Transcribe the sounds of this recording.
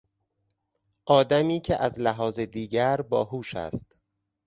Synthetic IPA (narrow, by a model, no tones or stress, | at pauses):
ʔɒːd̪æmiːcʰeʔæzlæɦɒːzed̪iːɟæɾbɒːɦuːʃæ̰st̪